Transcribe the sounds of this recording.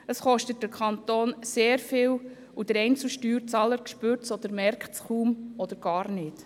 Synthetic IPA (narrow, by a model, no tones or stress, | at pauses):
əsχɔʃtət̚d̥əkʰχɑnt̪oːnseːɾfɪːw | ud̥əɾɛɪnt͡sl̩ʃtyːɾt͡sɑːləɾkʃpøːɾtsɔd̥̪əɾmɛɾkχtsχuːmɔd̪əɾɡ̥ɑːɾnɪːt